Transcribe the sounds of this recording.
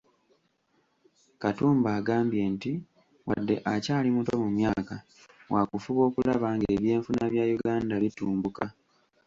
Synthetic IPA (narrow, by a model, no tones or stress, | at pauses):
katuːmbaːɡaːmbje̞nti | wa̰dːe̞̰ʔacaːlimuto̞mumjaːka | wakufuβo̞ːkulaβaːŋɡeːβje̞ːɱfunaβjajuɡaːndaβituːmbuka